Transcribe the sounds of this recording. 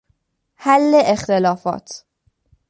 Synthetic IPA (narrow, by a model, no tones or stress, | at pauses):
hælːeʔext̪elɒːfɒ̰ːt̪ʰ